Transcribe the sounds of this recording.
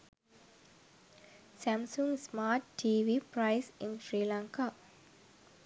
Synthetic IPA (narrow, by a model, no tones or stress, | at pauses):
sæmsuŋsmaːʈːʰiːʋiːpɾaɪsinfɾiːlãŋkaː